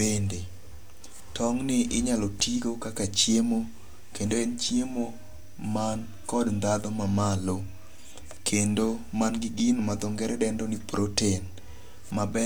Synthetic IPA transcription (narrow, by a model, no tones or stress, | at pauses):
ende | tɔŋnɪʔɪɲalɔtiɡokakat͡ʃjemo | kendoɛnt͡ʃjemo | man | kɔdnd̪ad̪ɔmamalo | kʰendomanɡɪɡinmad̪ɔŋɡɛɾɛdɛndɔnɪpɾoten | mabɛ